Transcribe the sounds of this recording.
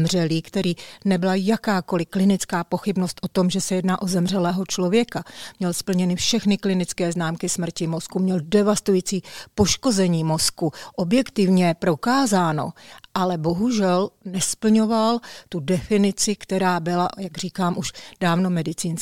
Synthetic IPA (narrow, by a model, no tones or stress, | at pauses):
mr̝ɛliːkt̪ɛɾiːnɛbɪlajakaːko̞lɪklɪnɪt͡skaːpoxɪbno̞st̪ʔo̞t̪o̞mʒɛsɛjɛdnaːʔo̞zɛmr̝ɛlɛːɦo̞t͡ʃlovjɛkamɲɛlspl̩ɲɛnɪfʃɛxnɪklɪnɪt͡skɛːznaːmkɪsmr̩cɪmo̞skumɲɛldɛvast̪ujit͡siːpo̞ʃko̞zɛɲiːmo̞skuʔo̞bjɛkt̪ɪvɲɛpɾo̞kaːzaːno̞̰ʔalɛbo̞ɦuʒɛlnɛspl̩ɲo̞valt̪udɛfɪnɪt͡sɪkt̪ɛɾaːbɪlajaɡriːkaːmʔuʃdaːvno̞mɛdɪt͡siːns